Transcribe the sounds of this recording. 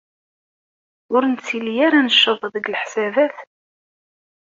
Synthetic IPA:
ʊɾnt͡sːilijaɾanəʃːəvˤðəɡlħsævæθ

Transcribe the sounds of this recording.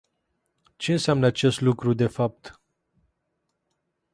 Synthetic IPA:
t͡ʃe̞ɨnsɪamnəat͡ʃe̞st̪lukɾud̪e̞fap̚t̪

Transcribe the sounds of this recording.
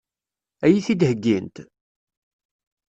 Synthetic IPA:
æjiθid̪həɡːint̪

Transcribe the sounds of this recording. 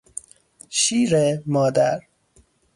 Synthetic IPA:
ʃiːɾemɒːd̪æɾ

